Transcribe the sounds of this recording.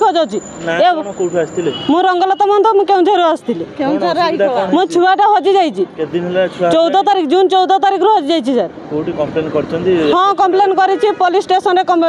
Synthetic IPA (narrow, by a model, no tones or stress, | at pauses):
kɔd͡ʒawt͡ʃʰi | naeɔkopʰiast̪ʰilemũɾɔŋɡɔlɔt̪amɔnt̪ɔmũkeũd͡ʒ̪ʱɔɾuast̪ʰilikeũd͡ʒʱaɾd̪mũt͡ʃʰuaʈaɦɔd͡ʒid͡ʒajt͡ʃʰiked̪inɦlet͡ʃʰuat͡ʃɔwd̪ɔt̪aɾikʰd͡ʒunt͡ʃɔwd̪ɔt̪aɾikʰɾuɦɔd͡ʒid͡ʒajt͡ʃʰid͡ʒaɾkoʈikɔmplenkɔɾt͡ʃʰɔnt̪iɦɔ̃kɔmplenkɔɾit͡ʃʰipolisʈesɔnɾekɔmple